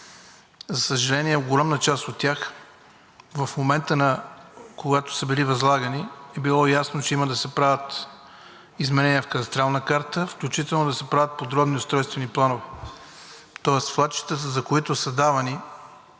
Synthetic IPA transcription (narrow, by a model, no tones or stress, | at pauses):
zɐsəʒɐlɛniɛɡolʲamnət͡ʃast̪ot̪ːʲax | vɐfmomɛnt̪ənɐkoɡat̪o̥səbilivɐzlˠaɡəniɛbilˠɔjasnot͡ʃɛiməd̪ɐsɛpɾavʲət̪ | izmɛnɛniɛfkət̪ɐst̪ɾalˠnəkaɾt̪əfklʲut͡ʃit̪ɛlˠnod̪ɐsɛpɾavʲət̪̚pod̪ɾɔbniost̪ɾɔjst̪vɛniplˠanovɛ | t̪ɔɛst̪flˠat̪t͡ʃi̥t̪ət̪̬əzɐkoit̪osəd̪avɐni